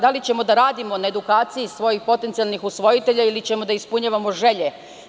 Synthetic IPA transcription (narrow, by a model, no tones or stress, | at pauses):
d̪alit͡ɕe̞mo̞d̪aɾaːd̪imo̞nae̞d̪ukaːt̪sijisʋo̞jixpo̞t̪e̞nt̪sialˠnixusʋo̞jit̪e̞ʎailit͡ɕemo̞d̪aispuɲaʋamo̞ʒe̞ʎe̞